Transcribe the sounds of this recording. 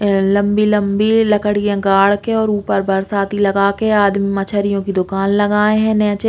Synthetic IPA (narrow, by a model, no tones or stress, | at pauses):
lɐ̃mbilɐ̃mbilɐkəɽijãɡaːɽkeɔːɾuːpəɾbɐɾsaːt̪ilɐɡaːkeaːd̪mimɐt͡ʃʰəɾijõkid̪ʊkaːnlɐɡaːeɦɛ̃nɛːt͡ʃ